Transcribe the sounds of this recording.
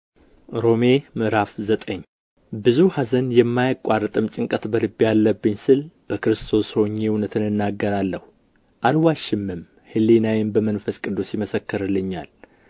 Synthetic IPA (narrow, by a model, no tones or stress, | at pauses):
ɾo̞me̞mɨɾafzət̪ʼəɲː | bɨzuhazənjɛmːajakʼarːɨt̪ʼɨmt͡ʃʼɨŋkʼət̪bəlɨbːijalːəbːɨɲsɨlb̥əkɨɾɨst̪ʰo̞sho̞ɲːe̞wunət̪ʰɨnɨnːaɡːəɾalːəhu | ʔalwaʃɪmːɨm | hɨlːenawɛnbəmənfəskʼɨd̪ːusiməsəkːɨɾɨlːɨɲːa̰l